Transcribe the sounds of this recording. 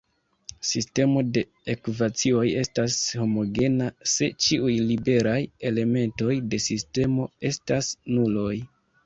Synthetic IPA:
siste̞mo̞de̞ | ekuvat͡sio̞je̞stasho̞mo̞ɡe̞nase̞t͡ʃiujlibe̞ɾaje̞le̞me̞nto̞jde̞siste̞mo̞e̞stasnulo̞j

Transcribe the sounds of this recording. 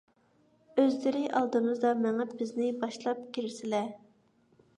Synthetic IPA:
øzlɪɾɪʔɑ̰lˠd̪ɨmɨzd̪ɑmæŋæbɪznɪbɑʃlˠɑp̚kʲʰiɾɪsɪlɛ

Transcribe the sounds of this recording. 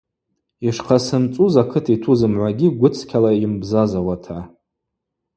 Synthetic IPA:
iʂqʰasɨmt͡sʼuzakʰɨtʰitʰuzɨmʕʷaɡʲiɡʷʊt͡sʰkʲʰalaimbzazawatʰa

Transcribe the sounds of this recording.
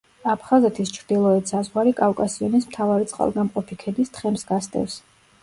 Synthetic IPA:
apʰχazɛt̪ʰist͡ʃʰɾd̪ilˠɔɛt̪ʰsazʁwaɾikʼafkʼasiɔnismt̪ʰavaɾit̪sʼqʼa̰lˠɡamqʼɔpʰikʰɛd̪ist̪χɛmsɡast̪ʼɛ̰fs

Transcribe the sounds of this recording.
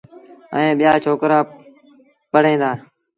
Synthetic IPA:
ə̰ẽːɓɪjaːt͡ʃʰoːkɾaː | pəɽ̤ẽːd̪aː

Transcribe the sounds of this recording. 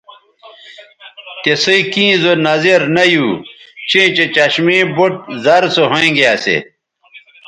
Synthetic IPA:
t̪esiikĩːzonɐzeɾnɐjuːt͡ɕẽːt͡ɕet͡ɕɐɕmẽːboʈ̚zɐɾsoɦõĩɡeasḛ

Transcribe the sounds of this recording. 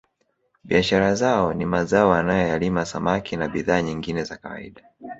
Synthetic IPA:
ɓiaʃaɾazaɔnimazaɔanajɔjalimasamakinaɓiðaːɲiŋɡinɛzakawa̰ḭɗa

